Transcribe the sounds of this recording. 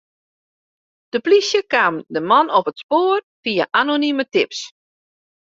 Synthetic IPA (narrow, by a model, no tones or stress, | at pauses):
d̥əplisjəkaːmdəmɔnɔpətspoːər | fiaʔanonymətɪps